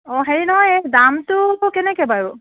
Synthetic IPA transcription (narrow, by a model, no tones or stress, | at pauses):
ɔɦeɹinɔɦɔjɛdamtʊkɛnɛkɛbaɹu